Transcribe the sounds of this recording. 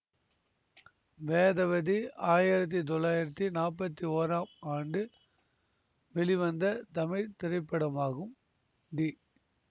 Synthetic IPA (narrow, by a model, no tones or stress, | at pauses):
ʋeːðɐʋɐðiaːjɪɾɐt̪̬ːit̪̬ɔɭːaːjɪɾɐt̪ːinaːp̬ːɐt̪ːioːɾaːmaːɳɖɯ | ʋɛɭiʋɐnd̪ɐt̪ɐmɪɻt̪ɪɾɐɪpːɐɽɐmaːɣɯm | ɖi